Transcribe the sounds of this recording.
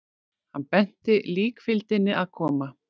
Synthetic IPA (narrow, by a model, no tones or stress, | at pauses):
hanːpɛn̥t̪ɪliːkfɪlt̪ɪnːɪʔaðkʰɔːma